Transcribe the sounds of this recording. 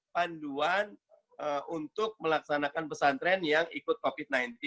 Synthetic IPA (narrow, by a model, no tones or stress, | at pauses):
panduan | əunt̪ʊk̚məlak̚sanakanpəsant̪ɾɛnjaŋikʊt̪̚kofit̪̚najnt̪i